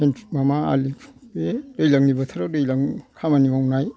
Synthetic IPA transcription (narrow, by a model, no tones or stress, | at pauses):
enti̥k̚mamaa̰likbedɯjlaŋnibɐt̪ʰaɾadɯjlaŋkʰamanimawnaj